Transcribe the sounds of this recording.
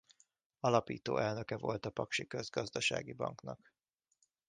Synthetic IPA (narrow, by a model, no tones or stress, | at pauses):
ɒlɒpḭːt̪o̰ːʔɛlnø̞kɛvo̞lt̪ɒpɒkʃikø̞zɡɒzd̪ɒʃa̰ːɡibɒ̰ŋknɒk